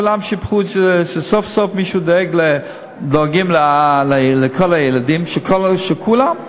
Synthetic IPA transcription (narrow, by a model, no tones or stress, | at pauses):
kulamʃipχut͡sʃesofsofmiʃud̪oeɡle | doaɡimlalalekʰolajeladimʃekʰolʃekʰulam